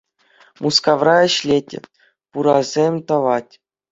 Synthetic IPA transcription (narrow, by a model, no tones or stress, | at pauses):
mʔuskɑʋrɑɘ̆ɕlʲetʲɘ̰̆ | puɾɑzʲemʲt̪ɑʋɑtʲ